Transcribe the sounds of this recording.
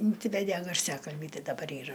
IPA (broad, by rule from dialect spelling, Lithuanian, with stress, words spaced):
ɪnʲˈsʲɪʋʲɛdʲeː ɡɐrʲˈsʲæːkɐlʲbʲiː ˈtɐɪ dɐˈbɐr ˈiːrɐ